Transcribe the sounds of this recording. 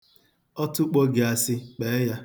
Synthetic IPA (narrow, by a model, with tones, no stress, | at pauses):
ɔ˦tʊ˦k͡pɔ˦ɡɪ˨a˨sɪ˦k͡pe˨˦ja˦